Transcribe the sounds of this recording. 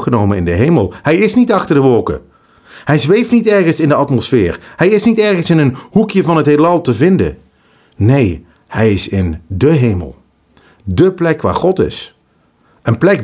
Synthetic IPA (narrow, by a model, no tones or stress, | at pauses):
χənowmənɪndəɦejməlˠhɛjɪsnitɑχtəɹdəʋɔlˠkə̰ | hɛjzʋejftnitɛɹχənsɪndəɑtmɔsfɪːɹhɛjɪsnitɛɹχənsɪnənhukjəvɑnɦətɦelɑlˠtəvɪndə̰ | nej | hɛjɪsɪndəɦejmə̰lˠ | dəplɛkʋa̰ːɹχɔtɪ̰s | ʔənplɛk̚